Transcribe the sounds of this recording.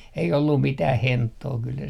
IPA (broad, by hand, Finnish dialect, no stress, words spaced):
ei olːum mitæh hentːoː kyl se